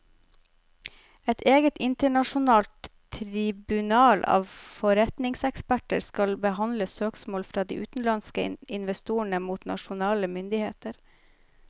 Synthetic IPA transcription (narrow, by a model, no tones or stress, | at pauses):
ɛt̪ʰeːɡət̪ɪnt̪əɳɑʃʊnɑːlt̪ʰ | ɾɪbʉnɑːlʔɑ̰ːʋfɔɾɛt̪nɪŋsɛkspæʈəɾskɑlbəhɑnd̪ləsøːksmoːlfɾɑːd̪ḭːʔʉːt̪n̩lɑnskəɪnʋɛst̪uːəɳəmuːt̪nɑ̰ʃʊnɑːləmʏnd̪ɪhḛːt̪əɾ